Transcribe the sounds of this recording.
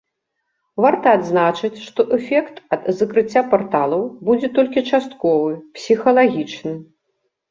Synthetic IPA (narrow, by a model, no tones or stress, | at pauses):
vart̪ɐːd̪znat͡ʂɨt͡sʲʂt̪ɔʔɛfʲɛkt̪ɐd̪zɐkɾɨt͡sʲːapart̪alˠɐwbud͡zʲɛt̪ɔlʲkʲit͡ʂast̪̚kɔvɨpsʲixɐlˠaɣʲit͡ʂnɨ